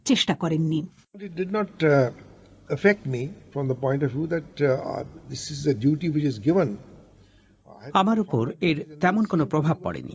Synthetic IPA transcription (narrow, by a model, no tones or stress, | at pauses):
t͡ɕeʃʈakɔɾenːi | bʌʈɪʈ̚ɖɪɖnɔʈ | əfek̚ʈmifɾɔ̃md̪əpɔ̃ɪ̃ɳʈɔʋjuːd̪æʈ | d̪ɪsɪzəɖjuːʈiwɪt͡ʃɪzɡɪʋə̃n | amaɾupoɾeɾt̪ɛmonkonopɾobʱab̚pɔ̰ɽḛnḭ